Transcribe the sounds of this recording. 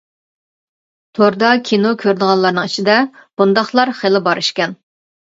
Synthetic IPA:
t̪ʰoɾd̪ɑkʲʰinokʲʰøɾd̪əʁɑnlˠɑɾnɨŋit͡ʃʰid̪ɛb̥und̪ɑχlˠɑɾχelɪbɑɾyʃkʲɛn

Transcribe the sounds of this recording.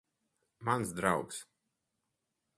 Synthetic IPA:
mansd̪ɾawks

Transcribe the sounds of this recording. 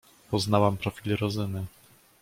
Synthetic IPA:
pɔznawampɾɔfʲilɾɔzɘnɘ

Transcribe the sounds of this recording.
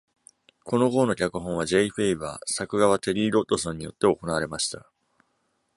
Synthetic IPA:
ko̞no̞ɡo̞ːno̞kʲakɯ̟ɦõɰ̃aʑe̞iɸeiba̰ːsakɯ̟ɡaβ̞at̪e̞ɾʲiːɾo̞t̪ːo̞sõ̞ɲ̟ːijo̞t̪ːe̞o̞ko̞naβaɾe̞maɕi̥t̪a

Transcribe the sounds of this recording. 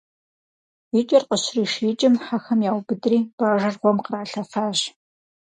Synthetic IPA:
it͡ʃʼɐrqəɕriːʃiːt͡ʃʼɪmħaxɐmjaːwbɨdriːb̥aːʒɐrʁʷɔmqəraːɬɐfaːʑ

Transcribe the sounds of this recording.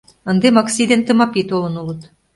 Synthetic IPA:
ɤ̆nd̪emɑksʲid̪ent̪ɤ̆mɑpet̪olɤ̆nulɤ̆t̪

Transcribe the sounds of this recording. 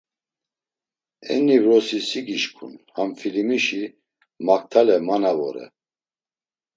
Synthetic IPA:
ɛ̰nːivɾɔsisiɡiʃkʰṵnhamfilimiʃi | mak̚ʰt̪ʰalɛmanavɔ̰ɾɛ̰

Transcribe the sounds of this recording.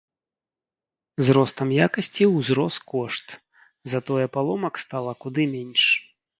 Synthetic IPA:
zɾɔst̪ɐmjakɐsʲt͡sʲiwzɾɔst̪kɔʂt̪ | zat̪ɔjɛpalˠɔmɐkst̪alˠɐkud̪ɨmʲɛnʲʂ

